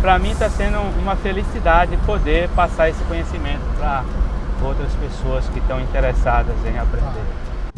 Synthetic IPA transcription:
pɾɐmĩt̪asẽnd̪ʊũmɐfelisid̪ad͡ʒɪdɪpod̪eɾpasaɾesɪ̥kõɲesimẽnt̪ʊpɾɐowt̪ɾɐspesoɐskɪt̪ɐ̃w̃ĩnt̪eɾesad̪ɐzẽj̃apɾẽnd̪eɾ

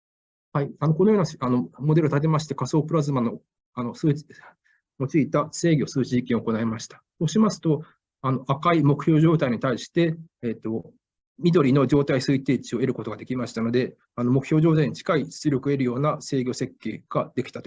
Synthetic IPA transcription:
haianokonojoːnaano̞mod̪e̞ɾɯt̪at̪̬e̞maɕi̥t̪e̞kaso̞ːpɯ̟ɾazɨmano̞ | ano̞sɨː | mo̞t͡ɕiːt̪ase̞ːɡʲo̞sɨːt͡ɕiʑikʲĩɰooko̞nae̞maɕi̥t̪ḁsoːɕimasɨ̥t̪o̞ | ano̞ʔakaimo̞kɯ̟̥ço̞ːʑo̞ːt̪aiɲ̟it̪aiɕi̥t̪e̞ːt̪ːo̞ | mʲid̪o̞ɾʲino̞d͡ʑo̞ːt̪aisɨit̪e̞ːt͡ɕio̞e̞ɾɯ̟ko̞t̪oɡad̪e̞kʲimaɕi̥t̪ano̞d̪e̞ | ano̞mo̞kɯ̟çʲjo̞ːʑo̞ːt̪aiɲ̟it͡ɕi̥kaiɕt͡sɨɾʲo̞kɯe̞ɾɯjo̞ːnase̞ːɡʲo̞se̞kːe̞ːɡ̥ad̪e̞kʲi̥t̪ḁt̪o

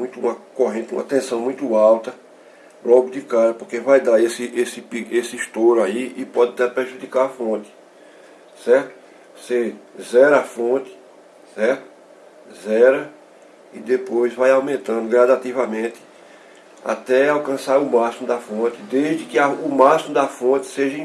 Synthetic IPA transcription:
mũj̃t̪ʊũmɐkoɦẽnt̪ɪũmɐ̰t̪ẽsɐ̃w̃mũj̃t̪ʊawt̪ɐ | lɔɡʊd̪ɪkaɾɐpoɾkevajd̪aesɪʔesɪpiesɪiʃt̪oɾaiɪpɔd̪ɪat̪ɛpɾeʒud̪ikaɾafõt̪ɪ̥ | sɛɾt̪ʊ̥ | sezɛɾɐafõt̪ɪ̥ | sɛɾt̪ʊ̥ | zɛɾɐ | id̪epojzvajawmẽnt̪ɐ̃nd̪ʊɡɾad̪at̪ivɐmẽt̪ɪ̥ | a̰t̪ɛawkɐ̃saɾʊmasimʊd̪ɐfõt̪ɪd̪eʒd̪ɪkɪaumasimʊd̪afõt̪ɪ̥seʒɐĩ

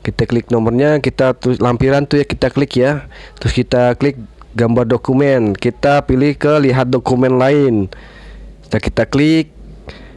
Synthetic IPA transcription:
kit̪aklɪk̚nɔmərɲakit̪at̪ʊslampiɾant̪ujakit̪aklɪkjat̪ɾʊskit̪aklɪk̚ | ɡambardokumɛnkit̪apilɪhkəliɦat̪̚dokumɛnlaɪn | st̪akit̪aklɪk̚

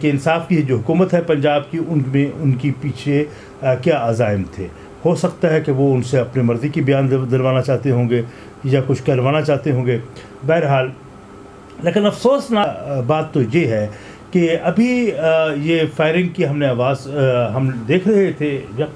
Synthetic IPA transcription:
keɪnsaːfkiɦɛd͡ʒoːɦʊkuːmət̪ɦɛpɐ̃ɲd͡ʒaːbkiʔʊnmẽʔʊnkipiːt͡ʃʰe | kjaaːzaːɪmt̪ʰḛː | hosɐk̚t̪aɦɛkeʋoʊnseɐpnemɐɾzikibɐjaːndd̪ɐɾʋaːnat͡ʃaːɦt̪eɦõːɡe | jakʊt͡ʃʰkɐɾʋaːnat͡ʃaːɦt̪eɦõːŋɡeː | bɛɦɾɦaːl | leːkɪnɐfsoːsnaːbaːt̪ːojeɦɛ | keɐbʱijefaːɪɾɪ̃ŋɡ̚kiɦɐmneaːʋaːzɦɐmd̪eːkʰɾɐɦet̪ʰejɐ

